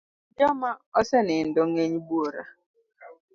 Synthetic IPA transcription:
d͡ʒɔmaɔsɛnɪn̩dɔŋeɲibuoɾa̰

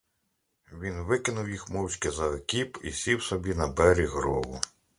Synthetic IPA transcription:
ʋʲinʋɪkɪnʊwjixmɔwt͡ʃʲkɪzɐɐkʲipḭsʲiwsɔbʲinɐbɛɾʲiɦɾɔwʊ

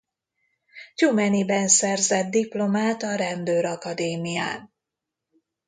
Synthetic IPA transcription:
t͡ʃumɛnibɛnsɛrzɛd̪̚d̪iplo̞maːt̪ɒɾɛnd̪øːɾɒkɒd̪eːmija̰ːn

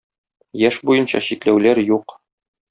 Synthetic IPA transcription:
jæʃbujɤ̆nɕɑ̰ɕiklæwlæɾjuq

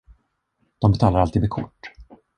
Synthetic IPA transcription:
d̪̥ɔmbɛt̪ʰɑːlaɾalt̪iːd̪mɛkʰʊ̰ʈː

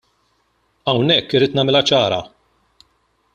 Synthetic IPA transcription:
ɐwnɛkːɪɾːɪːt̪nɐːmɪlɐt͡ʃɐːɾɐ̰

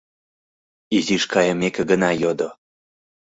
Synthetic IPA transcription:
iziʃkɑjəmekə̆ɡənɑjod̪o

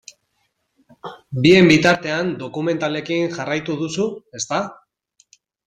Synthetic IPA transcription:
bie̞mbit̪aɾt̪e̞and̪o̞kume̞nt̪ale̞kinʝarajt̪uðusue̞st̪a

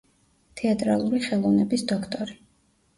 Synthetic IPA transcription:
t̪ʰɛat̪ʼɾa̰lˠuɾiχɛlˠɔvnɛbisd̪ɔkʰt̪ʼɔɾi

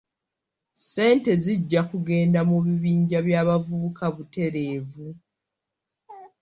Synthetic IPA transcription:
se̞ːnte̞ziɟːakuɡe̞ːndamuβiβiːɲɟaβjaːβavuβukaβute̞ɾe̞ːvu

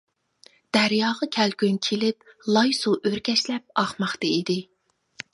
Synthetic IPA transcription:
d̪̥æɾjɑːʁɑkʲʰælkʲynkʲʰelɪp̚ | lˠɑjsuʔøɾkʲʰɛʃlɛp̚ɑχmɑχt̪ɑid̪ɪ

